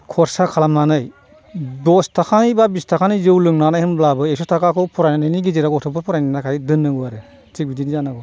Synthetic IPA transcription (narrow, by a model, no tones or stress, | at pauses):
kʰɔɾsakʰalamnanɯj | dɔstʰakʰanibabistʰakʰanizɯwlɯŋnanajhɯnblabɯesɔtʰakakʰɯwpʰɔɾajnanajniɡiziɾaɡɔtʰɔpʰɯpʰɔɾajnanakʰajdɯnːɯɡɯaɾɯ | tik̚bidinizanaɡɔ